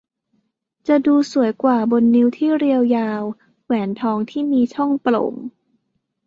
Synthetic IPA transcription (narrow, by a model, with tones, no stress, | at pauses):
t͡ɕa˨˩duː˧su˨˩˦əjkwaː˨˩bo˧nːi˦˥wt̪ʰiː˥˩ɾi˧əwjaː˧w | wɛː˩˦nt̪ʰɔː˧˥ŋt̪ʰiː˥˩miː˧t͡ɕʰɔ˥˩ŋplo̰˨˩˦m